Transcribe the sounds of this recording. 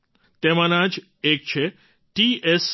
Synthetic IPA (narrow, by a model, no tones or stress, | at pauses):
t̪emãnãd͡ʒ | ek̚t͡ʃʰe | ʈies